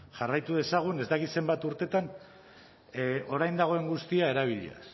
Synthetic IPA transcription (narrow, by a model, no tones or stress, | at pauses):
ʝarajt̪uð̞e̞saɣ̞une̞zd̪akit̪se̞mbat̪uɾt̪e̞t̪an | o̞ɾajnd̪aɣ̞o̞e̞ŋɡust̪iae̞ɾaβ̞iʎḛa̰s